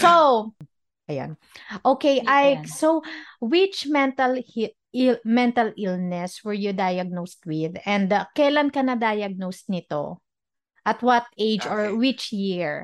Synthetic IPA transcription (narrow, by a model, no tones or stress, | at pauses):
sow | ʔɐjo̰nʔoːkejʔajsowwɪt͡ʃmɛnt̪ɐlh | lmɛnt̪ɐlʔɪlnɛswɛɹjud̪ajɐɡ̚nost̪̚wɪðɛ̃nd̪kɐjlankɐnɐd̪ajɐɡ̚nost̪̚nɪt̪o̰ | ʔɐt̪̚wɐt̪̚ʔejd͡ʒɔɹwɪt͡ʃjɪɹ